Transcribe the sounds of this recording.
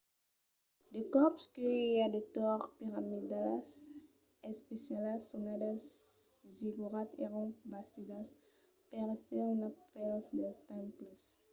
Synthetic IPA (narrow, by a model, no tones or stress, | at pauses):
d̪ekɔpskøiad̪et̪ɔʁpiʁamid̪alas | ɛspesjalasunad̪asziɡuʁat̪ḛʁɔ̃basid̪as | pɛʁsɛʁnapɛlsd̪ɛst̪ãmplis